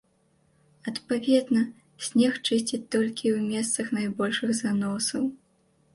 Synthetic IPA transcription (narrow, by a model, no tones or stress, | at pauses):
ɐt̪pavʲɛd̪nɐ | sʲnʲɛxt͡ʂɨsʲt͡sʲit̪ɔlʲkʲiwmʲɛs̬t̪sɐxnajbɔlʲʂɨɣzanɔsɐw